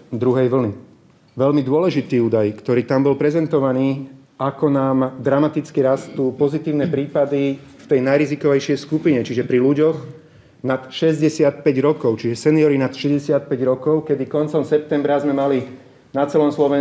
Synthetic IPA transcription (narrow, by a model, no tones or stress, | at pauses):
d̪ɾuɦɛjʋl̩ni | ʋɛʎmid̪ʊɔlɛʒit̪iːuːd̪ajkt̪ɔɾiːt̪ambɔlpɾɛzɛnt̪ɔʋaniː | akɔnaːmd̪ɾamat̪it͡skiɾast̪uːpɔzit̪iːʊnɛpɾiːpad̪i | ft̪ɛjnajɾizikɔʋɛjʃɪɛjskupiɲɛt͡ʃiʒɛpɾiluɟɔx | nat̪ʃɛzɟɛsɪat̪pɛɟɾɔkɔʊt͡ʃiʒɛsɛniɔɾinat̪ʃɛzɟɛsɪat̪̚pɛɟɾɔkɔʊkɛd̪ikɔnt͡sɔmsɛp̚t̪ɛmbɾazmɛmali | nat͡sɛlɔmslɔʋɛ